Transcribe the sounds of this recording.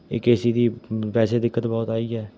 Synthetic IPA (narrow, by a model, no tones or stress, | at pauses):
ɪ̰ːkeːsiːd̪iːpɛːseːd̪ɪkːət̪bɔːt̪aːiːɛː